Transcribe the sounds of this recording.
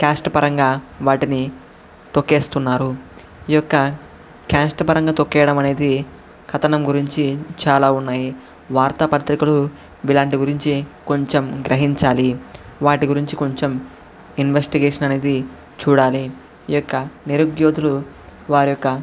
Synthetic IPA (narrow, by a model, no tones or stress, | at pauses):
kaːsʈpɐɾɐŋɡaːʋaːʈini | t̪okːe̞ːst̪unːaːɾu | ijɔkːɐ | kʲaːsʈpɐɾɐŋɡaːt̪okːɛːjɐɽɐmɐne̞ːd̪i | kʰɐt̪ɐnɐmɡuɾiɲt͡ʃit͡ʃaːlaːunːaːji | ʋaːɾt̪ɐpɐt̪ɾikulu | ʋilaːɳʈiɡuɾiɲt͡ʃiko̞ɲt͡ʃemɡɾʔɐɦiɲt͡ʃaːliʋaːʈiɡuɾiɲt͡ʃiko̞ɲt͡ʃem | inʋesʈiɡeːʂɐnɐne̞ːd̪i | t͡ʃuːɽaːli | ijɔkːɐniɾuɡjo̞ːd̪ulu | ʋaːɾijɔkːɐ